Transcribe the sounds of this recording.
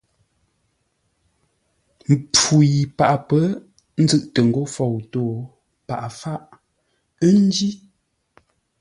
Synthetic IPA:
m̩˨pu˨ji˨pa˨ʔpə˦ | n̩˦zɨ˦ʔtə˨ŋ̩˨ɡo˦fɔ˨wto˦˨ | pa̰˨ʔa˨fa˦ʔ | ə˦n˦d͡ʒi˦

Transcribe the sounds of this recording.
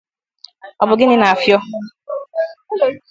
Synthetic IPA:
ɔ˨bʊ˨ɡɪ˦nɪ˦na˨a˨fjɔ˦

